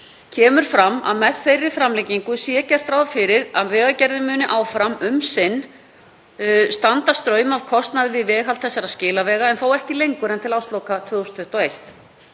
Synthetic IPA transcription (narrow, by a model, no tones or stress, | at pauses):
cʰɛːmʏɾ̥fɾamːa̰ðmɛð̥θejrːɪ̥fɾamlɛjciŋkʏsjɛcɛr̥t̪ɾawðfɪɾɪɾaðvɛːɣacɛɾðɪmʏːnɪʔaːwfɾamʏmsɪnː | st̪ant̪ast̪ɾœːɥmavkʰɔst̪naðɪvɪðvɛːɦalt̪θɛsːaɾaðscɪːlavɛːɣaɛnθowɛhcɪlejŋkʏɾɛnt̪ʰɪlawst̪lowkat̪ʰvʏːɣɔst̪fʏht̪ɔejht̪